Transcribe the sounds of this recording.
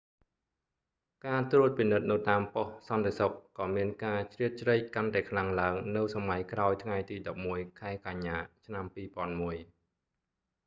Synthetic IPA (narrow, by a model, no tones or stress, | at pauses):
kaːt̪ruət̪̚pinɨt̪̚nɨwt̪aːmpohsɑnt̪esok̚ːɑːmiənkaːt͡ɕriət̪̚t͡ɕrəc̚kant̪aɛkʰlaŋlaəŋnɨwsamajkraɔjt̪ʰŋajt̪iːɗɑp̚muəjkʰaɛkaɲːaːt͡ɕʰnampiːpŏənmuəj